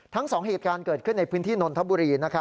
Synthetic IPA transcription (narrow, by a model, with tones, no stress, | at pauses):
t̪ʰa˦˥ŋsɔː˩˦ŋɦeː˨˩t̪̚kaː˧nkɤː˨˩t̪̚kʰɯ˥˩nːa˧jpʰɯː˦˥nt̪ʰiː˥˩no˧nt̪ʰa˦˥buː˧ɾiː˧na˦˥kʰa˦˥